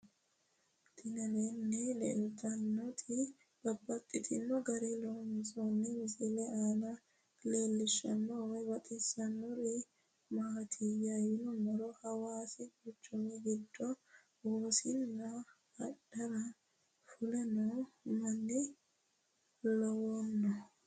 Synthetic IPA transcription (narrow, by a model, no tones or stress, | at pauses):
t̪ɪnɐleːnːɛlɛ̰lt̪ʰɐnːɔt̪ʰɪ | b̥ɐbːɐt̪ʼːɪt̪ʰɪnːɔɡɐɾeloːmsonːɛɪsɪlɛaːnɐ | le̞ːlːɪʃːɐnːɔwɛbɐt̪ʼɪsɐnːʊɾɪ | maːt̪ʰijajɪnʊmɔɾɔhɐwaːsɪɡʊt͡ʃːʊmɛɡɪd̪ːɔ | woːsɪnːɐː | ᶑɐɾɐ | fʊlɛnɔmɐnːɪ | lɔwɔnːɔ